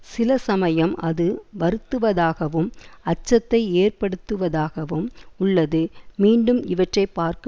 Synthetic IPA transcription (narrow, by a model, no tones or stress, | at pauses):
sɪlɐsɐmɐjɐmɐðɯʋɐɾɯt̪ːɯʋɐðaːɣɐʋɯmɐt͡ʃːɐt̪ːɐɪeːrpɐɽɯt̪ːɯʋɐðaːɣɐʋɯmʊɭːɐðɯmiːɳɖɯmɪʋɐʈrɐɪpːaːɾkɯ